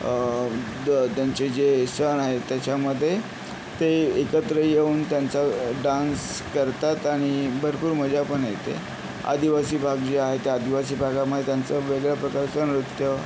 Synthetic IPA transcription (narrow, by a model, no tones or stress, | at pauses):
t̪jaɲt͡ɕed͡ʑesənaɦet̪jat͡ɕaməd̪ʱːje | t̪eekət̪ɾəjeuːnt̪jant͡saɖãns | kəɾt̪at̪aɽ̃ibʱəɾpuːɾm̤əd͡ʑapəɳjet̪ḛ | a̰d̪iʋasiːbʱaɡd͡ʑeaɦet̪ead̪iʋasiːbʱaɡaməd̪ʱːet̪jant͡səʋeɡɭjapɾəkaɾt͡sənɾut̪jə